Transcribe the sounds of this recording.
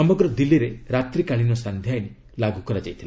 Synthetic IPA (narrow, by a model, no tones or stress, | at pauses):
ɔmɔɡɾɔd̪ilːiɾeɾat̪ɾikaɭinɔsand̪ʱjajni | laɡukɔɾad͡ʒa̰jt̪ʰila